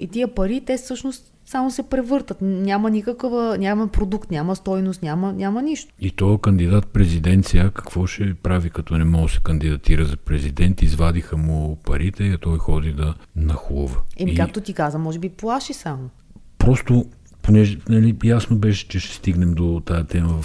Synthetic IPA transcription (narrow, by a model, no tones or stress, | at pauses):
it̪iəpɐɾit̪ɛfsɤʃnost̪ | samosɛpɾɛvɤɾt̪ət̪nʲjamənikəkəvənʲamɐpɾod̪ukt̪nʲaməst̪ɔjnost̪nʲamənʲamɐniʃt̪o̥it̪ɔjəkɐnd̪id̪at̪̚pɾɛzid̪ɛnt̪siəkɐ̥kv̥ɔʃɛpɾavikɐt̪ɔnɛmɔɡsɛ̥kɐnd̪id̪ɐt̪iɾəzɐpɾɛzid̪ɛnt̪izvad̪ixəmʊpɐɾit̪ɛɐt̪ɔjxɔd̪id̪ɐnɐxuvəɛmikak̚t̪ot̪ikazəmɔʒɛbiplˠaʃisamo | pɾɔst̪o | ponɛʒɛnɐlijasnobɛʃɛ̥t͡ʃɛʃɛ̥st̪iɡnɛmd̪ot̪ajət̪ɛməvf